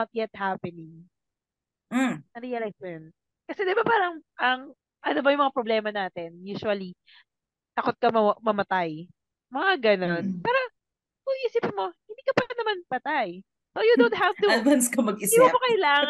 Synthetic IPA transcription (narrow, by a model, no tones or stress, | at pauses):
ɐt̪̚jɛt̪̚hapɛnɪŋ | ɾiɐlasɛn | kɐsɛd̪ɪbapaːɾɐŋʔɐŋ | ʔɐnobɐjʊŋmɐŋapɾoblɛːmɐnaːt̪ɛnjuːsʊɐli | t̪ɐkot̪̚kɐmɐmɐmɐt̪aj | mɐŋaɡɐnonpɛːɾo | kʊiːsipɪnmo̞hɪnd̪iːkɐpɛnːɐmanpɐt̪aj | sojʊd̪ont̪havt̪ud̪vanskɐmɐɡɪsiɐmokɐjlaːŋ